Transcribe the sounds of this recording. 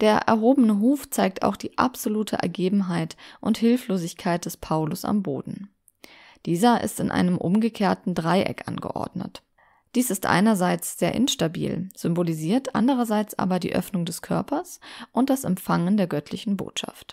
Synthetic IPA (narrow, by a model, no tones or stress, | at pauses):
d̥eːɐʔɛ̰ɐɦoːbənəɦuːft͡saɪk̚tʰa̰ʊxd̥iːʔa̰pz̥oluːtʰəʔɛ̰ɐɡeːbm̩ɦaɪtʔʊnthɪlfloːzɪçkʰaɪt̚d̥ɛspʰaʊlʊsa̰mbo̰ːdn̩ | d̥iːzɐʔɪ̰stɪnʔa̰ɪnəmʔʊmɡəkʰeːɐtn̩dʁaɪʔɛ̰kʔa̰nɡə̰ʔɔ̰ɐdnə̰t | d̥iːsɪstʔa̰ɪnɐzaɪt͡sz̥eːɐʔɪ̰nʃtabḭːlz̥ʏmboliziːɐtʔa̰ndəʁ̞ɐzaɪt͡sʔa̰ːbɐdiːʔœ̰fnʊŋdɛskʰœɐpʰɐsʔʊnt̚d̥asɛmfaŋəndeːɐɡœtʰlɪçn̩bo̰ːtʃa̰ft